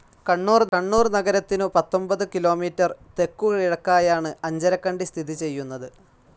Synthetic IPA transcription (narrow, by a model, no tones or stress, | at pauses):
kɐɳːuːrɐɳːuːrnɐɡɐɾɐt̪ːinɨpɐt̪ːo̞mbɐðɨkilo̞ːmiːtːɐrt̪e̞kːuɣɐɭiɽɐkːaːjaːɳɨɐɲd͡ʑɐɾɐkːɐɳɖist̪ʰiðit͡ɕe̞jːunːɐðɨ